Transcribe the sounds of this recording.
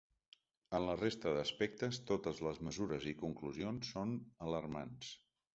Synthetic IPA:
ənlərest̪əðəspɛk̚t̪əst̪ot̪əzləzməzuɾəzikuŋkluzionsːonələɾma̰ns

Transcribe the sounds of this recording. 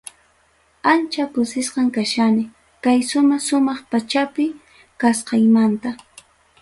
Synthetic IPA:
ant͡ʃakʊsɪsqɑŋkaʃanɪ | kajʃʊmɑʃʊmɑχpat͡ʃapɪ | kasqɑjmant̪a

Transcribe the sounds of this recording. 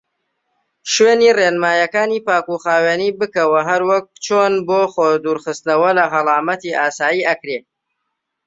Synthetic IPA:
ʃweːniːreːnmaːjɐkaːniːpaːkuxaːweːniːbɨkɐwɐɦɐɾwɐk̚t͡ʃʰoːnboːχoːd̪uːɾχɨst̪nɐwɐlɐɦɐlˠɑːmɐt̪iːʔaːsaːjiːʔɐkɾeː

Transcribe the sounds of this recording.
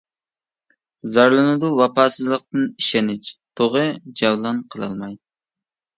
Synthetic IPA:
zɑɾlˠɨnɨd̪uwɑpʰɑːsɨzlˠəq̚t̪ɨniʃɛnɪt͡ʃt̪ʰoʁɨd͡ʒɑwlˠɑnqʰəlˠɑ̰lˠmɑj

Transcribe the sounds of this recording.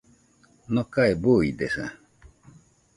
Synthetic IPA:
nõkaebuid̪esa̰

